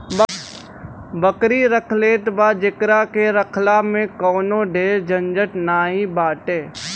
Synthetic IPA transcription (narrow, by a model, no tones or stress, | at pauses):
b | bəkɾiɾəkʰleːt̪baːd͡ʒɪkɾakeɾəkʰlamẽkɔːnoɖeːɾd͡ʒə̃nd͡ʒəʈnaːɦĩbaːʈeː